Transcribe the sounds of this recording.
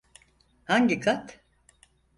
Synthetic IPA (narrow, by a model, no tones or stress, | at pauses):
haɲɟikʰat̪